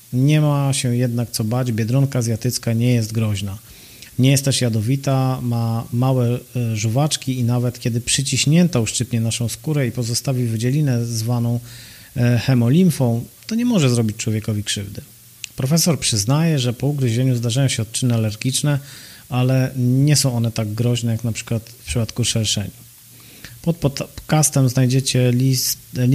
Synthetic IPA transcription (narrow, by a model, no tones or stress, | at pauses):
ɲɛmaɕɛjɛd̪nakt̪sɔbad͡ʑbʲjɛd̪ɾɔnkazʲjat̪ɘt̪skaɲɛjɛst̪ɡɾɔʑna | ɲɛjɛst̪ːɛʂjad̪ɔvʲit̪amamawɛʐuvat͡ʂkʲiinavɛt̪kʲɛd̪ɘpʂɘt͡ɕiɕɲɛnt̪auʂt͡ʂɘpɲɛnaʂɔ̃w̃skuɾɛipɔzɔst̪avʲivd͡ʑɛlʲinɛzvanɔ̃w̃ | xɛmɔlʲimfɔ̃w̃t̪ɔɲɛmɔʐɛzɾɔbʲit͡ɕʲt͡ʂwɔvʲjɛkɔvʲikʂɘvd̪ɘ | pɾɔfɛsɔɾpʂɘznajɛʐɛpɔuɡɾɨʑɛɲuzd̪aʐajɔ̃w̃ɕɛɔt̪̚t͡ʂɘnɘalɛɾɡʲit͡ʂnɛalɛɲɛsɔ̃w̃ʔɔnɛt̪aɡɡɾɔʑnɛjaknapʂɘ̥kwat̪fpʂɘpat̪kuʂɛlʂɛ̰ɲi | pɔt̪̚pɔkast̪ɛmznajd͡ʑɛt͡ɕɛi